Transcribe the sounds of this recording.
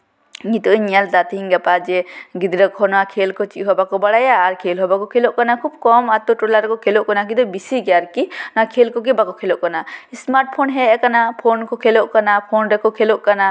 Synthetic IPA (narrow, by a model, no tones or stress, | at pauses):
ɲit̪uʔɲald̪at̪iɦiŋɡɛpad͡ʒɛɡid̪ɾəkɦɔnɔakʰelkɔt͡ʃiʔɦɔbakɔbaɽajaːɾkʰelɦɔbakɔkʰelɔʔkanakʰub̚kɔmat̪ɔʈɔlaɾkɔkʰelɔʔkɔnak̬id̪ɔbisiɡɛjaɾkinɔakʰelkɔkibakɔkʰelɔʔkanaismaɾʈ̚pʰɔnɦɛkanapʰonkɔkʰelɔʔkanapʰonɾɛkɔkʰelɔʔkana